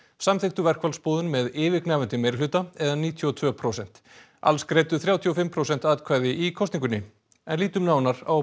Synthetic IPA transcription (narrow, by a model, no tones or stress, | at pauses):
samθɪxt̪ʏvɛr̥kvalspɔːðʏnmɛðɪːvɪknaːvʏnt̪ɪmeːjɾlʏːt̪aɛðaniːt̪ʰjɔt̪ʰvœːpʰɾowsɛn̥t̪ | a̰lskɾeːjt̪ʏθɾjaːwt̪ʰjiɔfɪmːpʰɾowsɛn̥t̪aːðkʰvaːjðɪʔikʰɔst̪iŋkʏnɪ | ɛnliːt̪ʏmnaːwnaɾaw